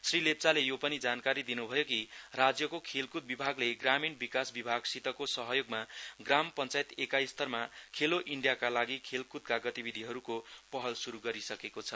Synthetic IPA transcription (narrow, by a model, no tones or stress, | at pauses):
srilep̚t͡salejopʌnid͡zankaɾid̪inubʱʌjokirad͡zjʌkokʰelkut̪̚bibʱaɡleɡraminbikasbibʱaɡsit̪ʌkosʌɦʌjoɡmaɡrampʌnt͡sajt̪ekajst̪ʰʌrmakʰeloʔiɳɖijakalaɡikʰelkut̪̚kaɡʌt̪ibid̪ʱiɦʌɾukopʌɦʌlsuɾuɡʌɾisʌkekot͡sʰʌ